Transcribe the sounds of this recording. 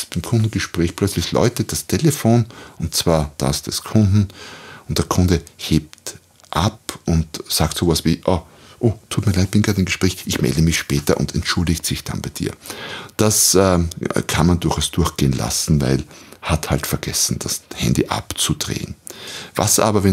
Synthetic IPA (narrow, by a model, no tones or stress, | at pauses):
b̥aɪmkʰʊ̃ndn̩ɡ̥əʃpʁ̥ɛːçplœt͡slɪçlɔ̰ʏtəd̥astʰeləfoːnʔʊntt͡sv̥aːɐd̥a̰sd̥askʰʊndn̩ʔʊnt̚d̥eːɐkʰʊ̃ndəheːp̚t | ʔapʔʊntsaːktsoːvasv̥iːʔɔ | ʔoːtʰːuːtmiɐlaɪt̚b̥ɪnɡaːtɪnɡəʃpʁ̥ɛːçʔɪçmɛ̰ldəmɪçʃpɛːtɐʔʊ̰ntɛntʃʊldɪçtsɪçd̥a̰nbaɪd̥ḭːɐd̥asɛːkʰanmandʊɐxaʊsd̥ʊɐxɡ̥eːənla̰sn̩va̰ɪlhathaltfɛɐɡ̥ɛsn̩d̥ashɛ̰̃ndiʔa̰pt͡sud̥ʁḛːənva̰sʔa̰ːbɐvɛn